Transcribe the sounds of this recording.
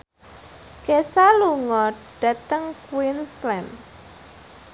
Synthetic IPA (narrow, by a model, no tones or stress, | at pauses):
kesaluŋɔɖ̥ä̤t̪əŋkwinslɛn